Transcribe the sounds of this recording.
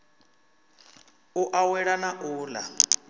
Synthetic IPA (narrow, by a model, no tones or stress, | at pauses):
ʊʔawɛɺanaʔʊːla